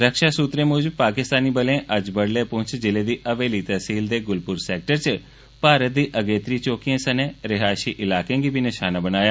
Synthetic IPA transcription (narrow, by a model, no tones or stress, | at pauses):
ɾəkʃaːsuːt̪ɾẽːmʊːd͡ʒəbpaːkɪst̪aːniːbəlẽʔəd͡ʒbəɽleːpʊ̃t͡ʃd͡ʒɪled̪iːʔəʋeːlit̪əsiːld̪eːɡʊlpʊɾseːk̚ʈəɾt͡ʃ | paːɾət̪̚d̪iːʔəɡeːt̪ɾiːt͡ʃoːkijãːsɐneːɾɪɦaːʃiːʔɪlaːkẽɡibʱinɪʃaːnabənaːjaː